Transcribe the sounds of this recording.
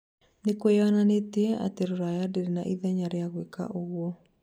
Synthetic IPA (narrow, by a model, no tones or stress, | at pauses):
nekwojananeteɛa̰teɾoɾajadeɾina̰ʔiðɛɲaɾejaɣweka̰ʔoɣwɔ